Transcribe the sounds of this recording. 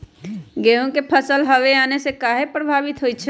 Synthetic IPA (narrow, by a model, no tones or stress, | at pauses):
ɡeːɦõkepʰəsəlɦəʋeaːnesekaːɦepɾəbʱaːʋɪt̪ɦoːit͡ʃʰɛ